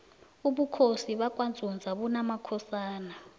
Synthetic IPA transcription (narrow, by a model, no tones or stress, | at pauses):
uɓukʰosiɓakʼwand͡zʱund͡zʱaɓunamakʰɔsaːna